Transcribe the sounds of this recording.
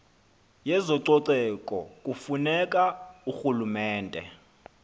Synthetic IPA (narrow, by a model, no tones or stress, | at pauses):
jɛzɔǀɔǀɛkʼɔkʼufunɛkʼauxulumɛːndʼʱɛ̰